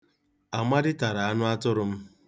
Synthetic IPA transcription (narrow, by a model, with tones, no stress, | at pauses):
a˨ma˦dɪ˦ta˨ɾa˨a˦nʊ˦a˦tʊ˦ɾʊ˦m̩˦